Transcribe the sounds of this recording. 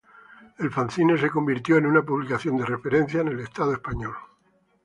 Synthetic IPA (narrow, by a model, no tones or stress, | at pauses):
e̞lfanθines̬eko̞mbiɾt̪jo̞enunapuβlikaθjo̞nd̪e̞re̞fe̞ɾe̞nθjanelest̪aðoespaɲol